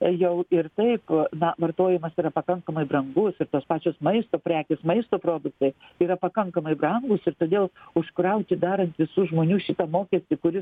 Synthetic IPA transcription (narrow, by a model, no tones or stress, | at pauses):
jɛʊɪɾt̪ɐɪpnɐʋɐrt̪oːjɛmɐsiːɾɐpɐkɐŋkɐmɐɪbrɐŋɡʊsɪɾt̪oːspɑːt͡ʃʲoːsmɐɪst̪oːpʲɾʲæːkʲɪsmɐɪst̪oːpɾoːd̪ʊk̚t̪ɐɪiːɾɐpɐkɐŋkɐmɐɪbrɐŋɡʊsɪɾt̪oːd̪ʲeːlˠʊʃkɾɐʊt̪ʲɪd̪ɑːɾɐnt̪ʋʲɪsuːʒmoːnʲuːʃʲɪt̪ɐmoːkʲɛsʲt̪ʲɪkʊɾʲɪs